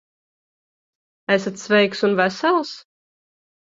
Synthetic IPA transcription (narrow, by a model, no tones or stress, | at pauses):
æsat̪svɛjksunvæsælˠs